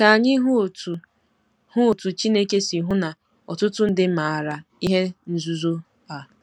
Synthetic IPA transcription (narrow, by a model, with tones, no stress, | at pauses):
ka˨a˨ɲɪ˦ɦo˨tu˨ | hʊ˦o˨tu˨t͡ʃi˦ne˦ke˦si˨ɦʊ˦na˨ | ɔ˨tʊ˦tʊ˦n̩˦dɪ˦ma˨a˨ɾa˨i˦ɦe˦n̩˦zu˦zo˦ | a˨